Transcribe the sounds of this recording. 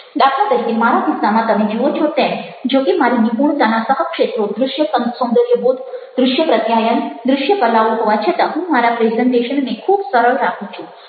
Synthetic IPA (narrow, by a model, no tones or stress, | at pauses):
ɖ̪akʰat̪əɾik̪emaɾad̪isnamãt̪əmẽd͡ʒiʋot͡ʃʰot̪ẽm | d͡ʒokimaɾinipuɳ̃t̪anasəɦəkʂet̪ɾod̪ɾʊʃjəsəsõnd̪əɾjəbud̪ʱd̪ɾʊʃjəpɾət̪jajənd̪ɾʊʃjəpəlaʋuɦoʋat͡ʃʰet̪əɦũmaɾapɾezəɳʈeʃənnekʰuːbsəɾəɭɾakʰũt͡ʃʰũ